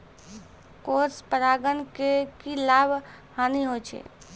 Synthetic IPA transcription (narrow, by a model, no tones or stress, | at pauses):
koɾspəɾaɡənkekilabʱ | haniɦot͡ʃʰɛ̰